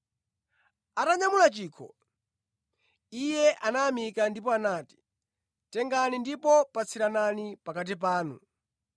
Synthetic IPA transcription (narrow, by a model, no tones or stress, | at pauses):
ataɲamulat͡ʃiːkʰɔ̰ | ijɛʔanaːmikandip̬ɔanaːti̥ | tɛŋɡanindipɔpat͡sʰiɾananipakat̬ip̬aːnṵ